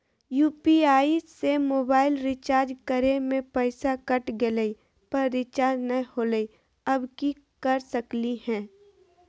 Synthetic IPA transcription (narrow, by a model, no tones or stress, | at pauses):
juːpiaːisemoːbaːɪlɾɪt͡ʃaːɾd͡ʒkəɾemẽpɛɪsakəʈɡeləi | pɐɾːɪt͡ʃaːɾd͡ʒnɐ̃hoːləi | ɐbki | kɐɾsəklihɛ̃ː